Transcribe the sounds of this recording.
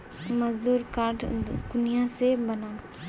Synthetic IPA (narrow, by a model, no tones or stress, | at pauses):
məzd̪uːɾkaːɾʈʰkʊnijãsebənaː